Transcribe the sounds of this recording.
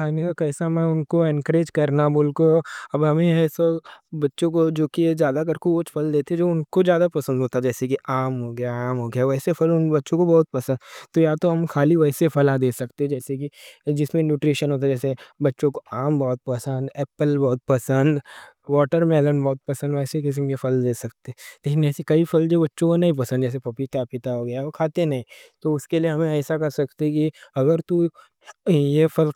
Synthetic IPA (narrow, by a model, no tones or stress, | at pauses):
aːnikakɛːsamɛ̃ʊnkoẽnkɾeːd͡ʒkɐɾnabʊlkoɐbɦɐmẽɛːsɐbɐtːʃõkod͡ʒoːkiezjaːd̪ak̬ɐɾkuoːt͡ʃpʰɐld̪eːt̪ʰeed͡ʒoːʊnkod͡ʒjaːd̪apɐsə̃nd̪ʱɦoːt̪ad͡ʒɛːsekiaːmɦoɡɐjaaːmɦoːɡɐjaʋɛːsepʰɐlʊnbɐtːʃõkobɔːt̪̚pɐsə̃nd̪t̪ojat̪oɦɐmkʰaːliʋɛːsepʰɐlad̪eːsɐkt̪eɦɛ̃d͡ʒɛːsekid͡ʒɪsmẽnjuːʈɾiːʃənɦoːt̪̬ad͡ʒɛːsebɐtːʃõkoaːmbɔɦt̪̚pɐsə̃nd̪ɛːpəlbɔːt̪̚pɐsə̃nd̪ | ʋɔːʈəɾmɛːlənbɔːʊt̪̚pɐsə̃nd̪ʋɛːsekɪs̬əmkefɐld̪eːsɐk̚t̪eɦɛ̃t̪eːnɛːsikɐifʰɐld͡ʒobɐtːʃõkonɐɦĩp̬ɐsə̃nd̪d͡ʒɛːs̬epɐpikjapɪt̪aɦoɡɐjaokʰaːt̪enɐɦĩːt̪oʊskelieɦɐmẽɛːsakɐɾsɐk̚t̪eɛ̃kiɐɡəɾt̪u | jefʰɐl